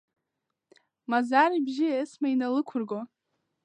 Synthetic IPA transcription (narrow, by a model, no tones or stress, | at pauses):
mazaɾibʒiesmainalɨkʷʰʊrɡo